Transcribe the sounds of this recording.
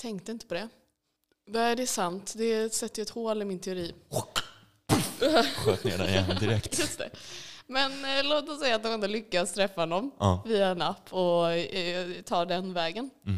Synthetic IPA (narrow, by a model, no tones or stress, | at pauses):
t̪ʰɛŋkt̪əɪnt̪ə̥pʰɔd̪ɛ | vaæɖɛsant̪d̪ɛsɛt̪ːjɑɛt̪hoːlɪmɪnt̪ʰɛʊɾiː | ɧøːt̪nḛːɖa̰d̪ɪɾɛkt̪jɵst̪ʰɛ̰mɛnloːt̪ɔsɛjːat̪̚d̪ɔmɛnd̪oːlʏkːast̪ʰɾɛfːahɔnːɔmviːaɛnapːɔ | t̪ʰɑːɖ̪ɛnvɛːɡən